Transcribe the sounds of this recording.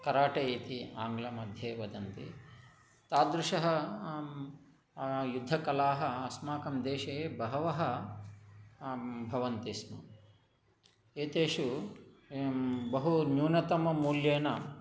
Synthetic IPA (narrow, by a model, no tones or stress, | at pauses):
kɐɾaːʈɐeːt̪iaːŋɡlɐmɐd̪ʱjeːʋɐd̪ɐnt̪ḭ | t̪aːd̪ɾuʂɐɦɐ | jud̪ʱːɐkɐlaːɦɐɐsmaːkɐmd̪eːʃɐeːbɐɦɐʋɐɦɐ | bʱɐʋɐnt̪ismɐ̰ | eːt̪eːʂu | bɐɦunjuːnɐt̪ɐmɐmuːljeːnɐ